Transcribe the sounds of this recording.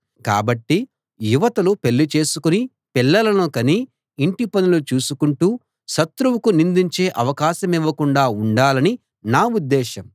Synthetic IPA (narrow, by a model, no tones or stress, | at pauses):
ka̰ːbɐʈːi | juʋɐt̪ɐlupe̞lːit͡ʃe̞ːsukuni | pilːɐlɐnuːkɐniː | ɳʈipɐnulut͡ʃuːsukuɳʈuː | ʃɐt̪ɾuwukunind̪iɲt͡ʃe̞ːʔɐʋɐkaːʃɐmiʋːɐkuɳɖaːuɳɖaːlɐni | naːud̪ːɛːʃɐm